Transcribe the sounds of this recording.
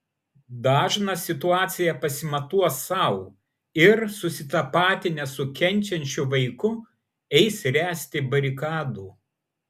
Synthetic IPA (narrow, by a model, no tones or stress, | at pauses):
d̪ɑːʒnɐsʲɪt̪ʊɑːt̪sʲɪjɛpɐsʲɪmɐt̪uɔsɐʊ | ɪɾsʊsʲɪt̪ɐpɑːt̪ʲɪnʲɛsʊkʲɛnʲˑt͡ʃʲɛnʲt͡ʃʲʊʋɐɪkʊ | ɛɪsɾʲæːsʲt̪ʲɪbɐɾʲɪkɑːd̪uː